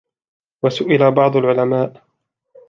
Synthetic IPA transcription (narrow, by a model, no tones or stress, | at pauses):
wasʊʔɪlabɑʕd̪ˤʊlʕʊlamaːʔ